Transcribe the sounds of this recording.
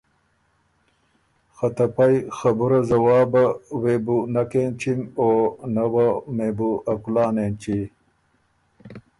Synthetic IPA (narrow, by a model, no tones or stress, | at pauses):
xat̪ɐpajxɐbuɾazɐwɑːbaweːbunakent͡ʃimonawameːbuɐkulaːnent͡ʃi